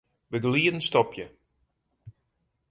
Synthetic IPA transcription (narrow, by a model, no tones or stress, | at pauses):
bəɡliːədən̩stɔpʰjə